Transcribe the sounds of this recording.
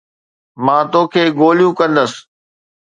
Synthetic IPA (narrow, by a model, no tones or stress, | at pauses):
mãːt̪oːkʰeːɡoːlijũːkə̃nd̪əs